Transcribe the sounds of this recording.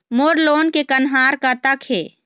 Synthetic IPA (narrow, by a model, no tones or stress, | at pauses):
moːɾloːnkekənɦaːɾkat̪akʰeː